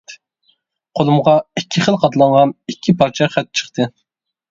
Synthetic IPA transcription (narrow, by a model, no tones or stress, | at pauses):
qʰolˠumʁɑikʲʰːiχəlˠqʰɑt̪lˠɑŋʁɑnikʲʰːipʰɑɾt͡ʃʰɑχɛt̪̚t͡ʃʰə̥χt̪ʰɨ